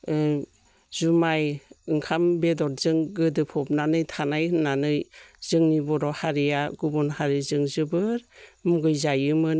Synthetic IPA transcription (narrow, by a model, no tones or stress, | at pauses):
zumajɯŋkʰambedɔɾzɯŋɡɯdɯpʰɔp̚nanɯjtʰanajɯnanɯjzɯŋnibɔɾɔhaɾijaɡubɔnhaɾizɯŋzɯbɯɾmuɡɯjzajɯmɯn